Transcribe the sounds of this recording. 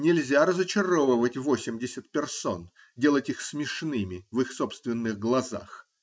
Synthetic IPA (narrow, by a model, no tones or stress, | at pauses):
nʲɪlʲzʲaɾəzət͡ɕɪɾovəvətʲvosʲɪmʲdʲɪsʲɪt̪̚pʲɪrso̰n | dʲe̞lˠətʲixsmʲɪʂnɨmʲɪvɨxsopst̪vʲɪnːɨɣɡlˠɐza̰x